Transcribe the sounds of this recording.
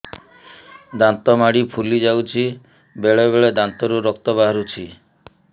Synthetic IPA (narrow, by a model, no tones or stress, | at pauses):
d̪ant̪ɔmaɽipʰulid͡ʒawt͡ʃʰi | beɭebeɭed̪ant̪ɔɾuɾɔk̚t̪ɔbaɦɔɾut͡ʃʰi